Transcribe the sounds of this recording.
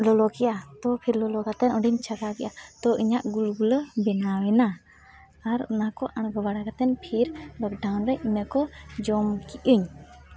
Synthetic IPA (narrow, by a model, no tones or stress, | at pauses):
lɔlɔkɛʔat̪ɔpʰiɾlɔlɔɡat̪ɛnɔɖiɲt͡ʃʰaɡakɛʔat̪ɔʔiɲaʔɡulɡuləbɛnawɛnaː | ɾɔnakɔʔaɳ̃ɡɔbaɽaɡat̪ɛnpʰiɾlɔk̚ɖawnɾɛinəkɔd͡ʒɔmkiʔuɲ